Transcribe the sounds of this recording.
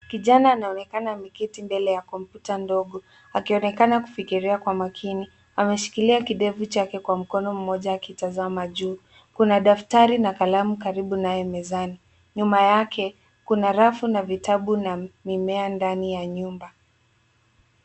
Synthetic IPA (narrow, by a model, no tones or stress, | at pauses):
kiʄanaːnaɔnɛkanamikitimbɛlɛjakɔm̩putandɔɠɔ | akiɔnɛkanaku̥fikiɾiakwamakʰini | amɛʃi̥kiliakiɗɛvut͡ʃakɛkwam̩kɔnɔm̩mɔʄaːkitazamaʄuː | kunaɗaftaɾinakalamukaɾiɓunajɛmɛzani | ɲumajakʰɛ | kunaɾafunavitaɓunamimɛandanijaɲumba